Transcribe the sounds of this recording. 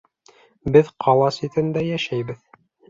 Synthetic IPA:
bɘðqʰɑlˠɑsit̪ɘ̆nd̪æjæʃæjbɘð

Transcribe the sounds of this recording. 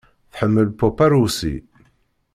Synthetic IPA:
θħəmːəlpopaɾusḭ

